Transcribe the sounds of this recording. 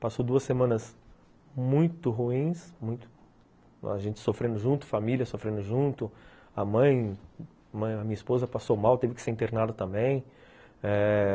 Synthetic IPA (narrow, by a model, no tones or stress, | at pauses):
pasod̪uɐsemɐ̃nɐs | mũj̃t̪ʊɦuĩsmũj̃t̪ʊ̥ | a̰ʒẽnt͡ʃɪ̥sofɾẽnd̪ʊʒũt̪ʊ̥familʲjɐsofɾẽnd̪ʊʒũt̪ʊ | ɐmɐ̃j̃ | mɐ̃j̃ɐmĩɲɐispozɐpasowmawt̪evɪkɪ̥seɾĩt̪eɾnad̪ɐt̪ɐ̃mbẽj̃ | ɛ